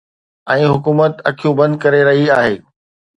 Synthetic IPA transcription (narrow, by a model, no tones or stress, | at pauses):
ɛ̃ːɦʊkuːmət̪ɐkʰijũbɐ̃nd̪kɐɾeɾɐɦiaːɦeː